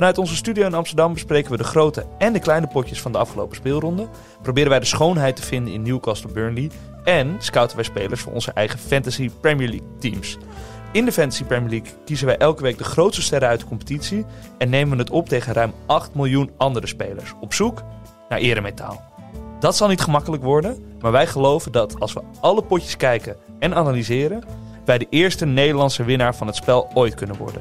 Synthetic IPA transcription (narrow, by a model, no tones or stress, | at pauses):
fɑnœɥtɔnzəstydijowɪnɑmstədɑmbəsprejkənʋədəχrowtəɛndəklɛjnəpɔcəsfɑndəɑfχəlo̰wpə̥spɪːlˠrɔndə | prowbɪːɾə̃nʋɛjdəsχownɦɛjtəvɪndənɪ̰nːuwkɑstl̩ˠbøːɹnli | ɛnskœwtənʋɛjspejləsfʊ̰nʔɔ̰nzəʔɛ̰jχəfɛntasipɹɛmiəɹlḭk̚tims | ɪndəfɛntasipɹɛmiəlikːizənʋɛjʔɛlˠkəʋejk̚dəχrowtstəstɛɾəœɥtdə̥kɔmpə̥titsiɛnːejmənətɔp̚tejχənrœɥmʔɑχtmɪlˠjunɑndərəspejlə̰ɹsɔpsuk | na̰ːɹʔɪːɾəmejta̰ːlˠ | d̥ɑtsɑlˠnitχəmɑkələkʋɔɹdənmaːɹʋɛjχəlowvəndɑtʰɑlˠsʋə | ɑləpɔcə̥skɛjkən | ɛnaːnalizɪːɾən | ʋɛjdəʔɪːɹstənejdəɹlɑntsəʋɪnaːɹvɑnɦətspɛlˠojtkɵnənʋɔ̰ɹdə̰n